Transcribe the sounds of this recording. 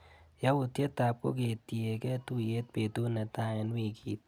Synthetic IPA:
ja˦u˨t̪je˦t̪a˨p̚ko̰˦ɡe˨t̪i˨e˨kɛ˦t̪u˦je˦t̪̚pe˨t̪u˦nɛ˨t̪a˦e˨nwi˦˨kiː˨t̪̚

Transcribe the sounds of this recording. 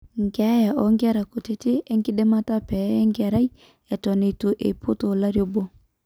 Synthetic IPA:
ŋɡa˦ja˨ʔɔ˨˦ŋɡa˦ɾa˨ko˨te˦te˦ʔe˦ŋɡɪ˦ɗe˦ma˦ta˦pɛ˨˦ɛ˦ŋɡa˨ɾa˦i˦ | ɛ˨tɔ˨ne˨to˨ʔḛ˨pʰo˦to˨la˦ɾjo˦bo˦

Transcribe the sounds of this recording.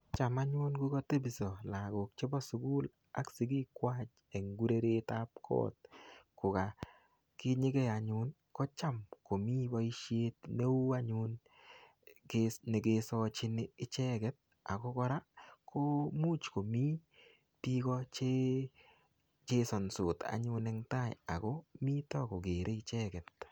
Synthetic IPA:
t͡ʃa˨ma˦ɲʊ˦nɡu˦kɔ˦te˦bi˨sɔ˨la˨ɡo˨k̚t͡ʃe˦bɔ˦sʊ˨ɡu˦l | a˦ksi˨ɡ̬i˦kwa˦t͡ʃ | e˨ŋɡu˦ɾe˦ɾe˦ta˦p̚kʰɔ̰˦t̪̚kʊ˨ka˨ | ki˦ɲɪ˦ɡɛ˦a˨ɲʊ˦n | kɔ˦t͡ʃa˦˨mko˨mi˦ba˦i˦ʃje˦t̪ne˦u˦a˦ɲʊ˦n | kene˨ɡe˦sɔ˦t͡ʃɪ˦nɪ˦t͡ʃɛ˦ɡɛ˦t̚ | a˨kɔ˦kɔ˦ɾa˦kʰo˦mu˦t͡ʃko˨mi˦ | ti˦kɔ˦t͡ʃe˦ | t͡ʃe˦sɔ˨nsʊ˨ta̰˨ɲʊ˦nɛ˦ŋta˦˨ja˨ko˦mi˦tɔ˦ko˨ɡe˨ɾʔe˦ɪ˦t͡ʃɛ˦ɡɛ˨t̪̚

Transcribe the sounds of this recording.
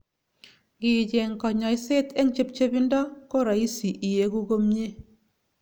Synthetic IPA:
kɪ˨t͡ʃe˨ŋkɔ˨ɲɔ˨jse˦tɛ˦ŋt͡ʃe˦p̚t͡ʃe˦bi˦ndɔ˦ko˦ɾa˨i˦si˨ʔi˨je˨ku˦ɡo˦mɲe˦

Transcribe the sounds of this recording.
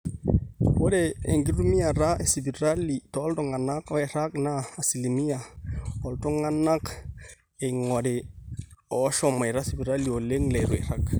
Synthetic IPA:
wo˦de˨e˨ŋɡi˦ɾu˦mi˦a˨ɾa˦e˨si˨bi˨ɾa˦li˨tɔ˦ltɔ˨ŋa˨na˦kɔ˦ɛ˨ɾa˦knaː˦˨si˨li˨mi˦a˨ɔ˨lto˦ŋa˦na˦k | e˨ŋɔ˨de˨ | ɔ˨˦ʃɔ˨ma˨jɾa˦si˨bi˨ɾa˦li˨o˨le˦ŋlɛ˨ɾwɛ˨ɾa˦k

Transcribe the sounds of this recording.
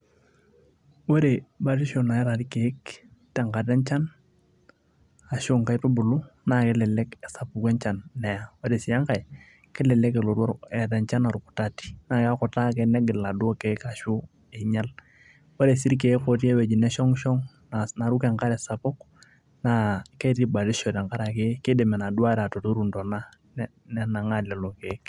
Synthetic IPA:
wo˦ɾe˨ba˦ɾi˦ʃo˨na˨ɛ˦ɾa˨ɾi˦ke˨ɪ˦ktɛ˨ŋka˨dɛ˦nt͡ʃa˦n | a˨ʃʊ˦ŋka˦jtu˦bʊ˨lu˦na˨kɛ˦lɛ˨lɛ˦kɛ˨sa˨pu˨kɛ˦nt͡ʃa˨nːɛ˨ja˦wo˦ɾe˨si˨ja˦ŋka˨j | kɪ˦lɛ˨lɛ˦kɛ˨lo˨ɾwɔ˦ɾɛ˨da˨nt͡ʃa˦na˨ɾu˨ku̥˨ta˦ti̥˦na˦˨ka˦kɔ˨ta˦kɛ˨˦nɛ˦ɡɪ˨lla˨du˦o˦ke˨˦ka˨ʃu˦ | e˨ɲa˦l | wo˦ɾe˨si˦ɾk̬e˨˦ko˨ti˦e˦wɛ˨d͡ʒi˨nɛ˦ʃɔ˦ŋʃɔ˦ŋ | ana˨ɾu˦kɛ˨ŋka˦ɾɛ˨sa˨po˦k | na˨ke˦ti˦ba˨ɾɪ˦ʃɔ˨dɛ˨ŋka˦ɾa˨ke˦kɪ˦de˨mɛ˨na˨du˦a˦ɾa˨to˨to˦ɾu˨ndɔ˨na˦ | n˦ | nɛ˦na˨ŋa˦lɛ˨lo˨ke˨˦k

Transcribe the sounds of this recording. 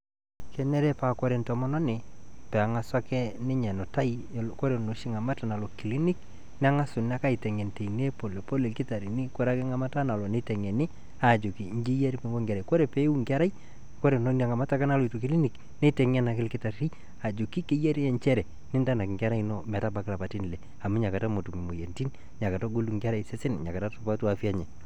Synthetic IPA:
kɛ˨nɛ˦ɾɛ˦pa˨kɔ˦ɾe˨ntɔ˨mɔ˦nɔ˦nɪ˨pɛ˨a˨ŋa˨sa˦kɛ˦nɪ˦ɲɛ˨no˨ta˦i˦˨ko˦ɾe˨no˨ʃi˦ŋa˨ma˦ta˨na˨lɔ˨ki˨li˦ni˦k̚ | n˦a˦ŋa˦sʊ˨n˦a˦ka˦i˨tɛ˨ŋɛ˨nte˨i˨ne˦po˨le˨po˦le˨lkɪ˦ta˨ɾi˨nɪ˦ko˨ɾa˦kɪ˦ŋa˨ma˦ta˦na˨lɔ˨nɪ˦tɛ˨ŋɛ˨nɪ˦ | a˨d͡ʒu˨kḭ˨ɲ˦d͡ʒi˦je˦ɾi˦pe˨ŋɡo˦ŋɡa˨ɾa˨ko˦ɾe˨pe˦u˦ŋɡa˦ɾa˦i˦ | ko˦ɾe˨no˦n˦a˨ŋa˨ma˦ta˦ka˦na˦lɔ˨i˨tu˨ki˦li˦ni˨k | ne˦tɛ˨ŋɛ˦na˨kɪ˦lkɪ˦ta˨ɾi˦ | a˨d͡ʒo˨ki˦ke˦je˦ɾi˦ɛ˦nt͡ʃɛ˦ɾɛ˨ | nɪ˦nda˦na˨kŋɡʲa˦ɾa˦i˦nɔ˦mɛ˨ta˦ba˨kla˨pa˨ti˦n˨le˨ | a˨mu˦ɲa˨ka˨ta˦mo˨tu˨mi˨mo˨je˨nti˦n | ɲa˨ka˨ta˦ɡo˦lu˨ŋɡa˦ɾa˦ise˦sɪ˦nɲa˨ka˨ta˦to˨pa˦tu˦a˨fi˦a˦ɲɛ˨

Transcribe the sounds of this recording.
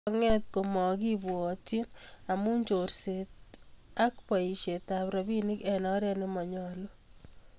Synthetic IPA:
ŋɛ˦t̪̚ko˨mɔ˨kibu˨ɔ˨tina˨mu˦ɲt͡ʃorset̪̚a˦kpa˨i˨ʃe˨t̪apɾabi˦ni˦kɛnɔ˦ɾe˦nɪmɔ˨ɲɔlo˦

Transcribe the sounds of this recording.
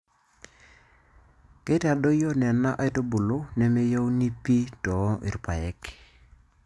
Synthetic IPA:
ke˦ta˨do˦jo˦nɛ˨na˦ʔa˦jto˦bu˨lo˦nɛ˦me˦jo˦wu˦ni˦pi˦tɔ˨˦ʔḭ˨ɾu˨pa˨jɛ˦k

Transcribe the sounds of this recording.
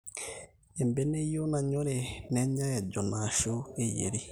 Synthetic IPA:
e˨mbe˨˦ne˦jo˦na˨ɲo˦ɾe˨nɛ˨˦ɲa˦ɛ˨d͡ʒɔ˨na˨ʃo˦e˨jḛ˨ɾi˦

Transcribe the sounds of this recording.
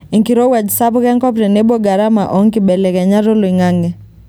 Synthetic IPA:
i˨ŋki˨ɾɔ˦u˦a˨d͡ʒi˨sa˦pu˦ɣɛ˦ŋkɔ˦pɾɛ˨nɛ˦bɔ˦ɡa˨ɾama˨ʔɔ˦ŋkiɓɛ˨lɛɣɛ˨ɲa˦ɾɔ˦lɔ˨i˨ŋaŋɡɛ

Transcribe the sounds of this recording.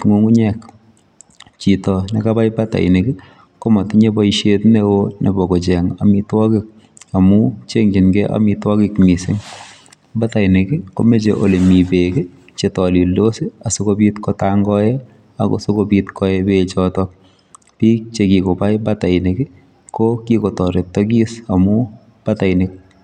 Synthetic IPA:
ŋo˦ŋu˦ɲɛk | t͡ʃitɔ˨nɛka˦pa˦jba˦ta̰˨j̰ne˨ki˦ | kɔ˦mɔ˨tiɲe˦bɔiʃetnewone˨bɔ˨kɔ˨t͡ʃɛ˨ŋa̰˨mitwɔ˦kɪk̚ | a˨mu˦t͡ʃe˦ŋd͡ʒi˨nɡɛʔa̰mitwɔ˦kɪkmi˨sɪ̰ŋ | ba˦ta˨ɪ˨ne˨ki˦ko̰˦me˦t͡ʃe˨ʔo̰˨le˨mi˨be˨kɪ˦ | t͡ʃetɔ˨li˨ldo˦si˦a˨so˦kobitkɔtaŋɡɔjɛ˦ | a̰˨ko̰˨so˦kobitkɔebet͡ʃɔtɔ | pi˦k̚t͡ʃe˨kiko˨pa˦jbata˨ɪ˨ne˨kɪ˦ | kokiko˨tɔ˨ɾe˨tɔɡi˦sa˨mu˦ | b̥ata˨ɪnɪk̚

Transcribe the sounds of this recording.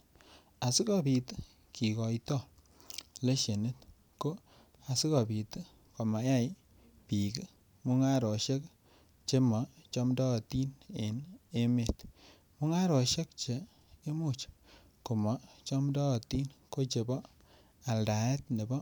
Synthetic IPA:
a˨si˦kɔ˦pi˨t | ki˨kɔ˨itɔ˦˨ | le˦ʃe˨ne˦t | ko˦ | a˨si˦kɔ˨pi˨t | ko˨ma˨ja˦j | pi˨ki˦ | mu˦ŋa˦ɾo˨ʃe˦k | t͡ʃe˦mɔ˨t͡ʃɔ˦mdɔ˦˨ti˦ne˨ne˦me˨t | mu˦ŋa˦ɾo˨ʃe˦k̚t͡ʃe˨ | e˦mu˦t͡ʃ | ku˨mɔ˨t͡ʃɔ˦mdɔ˦˨ti˦nko˦t͡ʃe˨bɔ˦ | a˨lda˨ɛ˦tne˨bɔ˦

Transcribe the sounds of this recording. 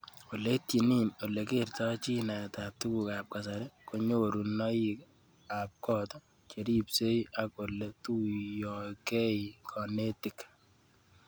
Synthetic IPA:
o˨le˦ti˨nino˨le˨kertɔt͡ʃi˦na˨tap̚tu˦ku˨ka˨p̚ka˨saɾɛ˦ko˨ɲoɾu˨nɔ˦ik | ap̚kɔtɔ˦ | t͡ʃe˨ɾi˦pse˦ja˦ko˨letu˦jɔkɛ˦ikʰɔ˨ne˦tɪ˨k

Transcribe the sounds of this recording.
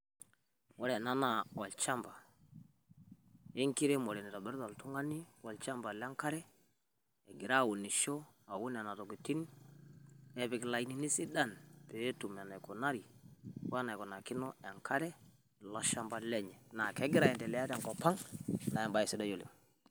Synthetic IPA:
wɔ˦ɾɛ˨na˦na˨ɔ˨lt͡ʃa˦mba˨ | e˦ŋki˦ɾe˦mɔ˨ɾɛ˨ni˨ta˨bɛ˦ɾda˨ltu˦ŋa˦ni˦wɔ˨lt͡ʃa˦mba˨lɛ˦ŋka˦ɾɛ˦ | ɛ˨ɡi˨ɾa˦˨wu˨ni˨ʃɔ˦ | a˨wu˦n˨a˨na˨tɔ˨ki˨ti˦n | ɛ˨bɛ˨kla˨i˨ni˨ni˦si˦da˦˨npɛ˨˦tu˨ma˨na˨jkɔ˨na˦ɾi˨wa˦na˨jkɔ˨na˨ki˦nɔ˦ɛ˨ŋkʰa˦ɾɛ˦ | lɔ˦ʃa˦mba˦lɛ˦ɲɛ˨na˨kɛ˦ɡɪ˦ɾa˨jɛ˨ndɛ˨lɛ˨˦a˦tɛ˨ŋkɔ˨pa˦ŋla˨ɛ˨mba˨jɛ˨si˦da˦jo˨lḛ˨ŋ

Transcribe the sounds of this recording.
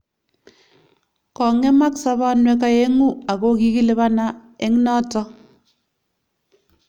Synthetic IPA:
kɔ˨ŋe˦ma˦ksɔ˦βa˦nwɛ˦ka˨je˦ŋu˦a˨ko˦ki˦ki˦lɪ˦βa˦na˦e˦ŋ˦nɔ˦tɔ˦

